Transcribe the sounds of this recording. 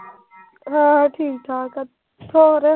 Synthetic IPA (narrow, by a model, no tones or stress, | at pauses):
ɦãʈʰiːk̚t̪ʰaːka | t̪ʰoːɾe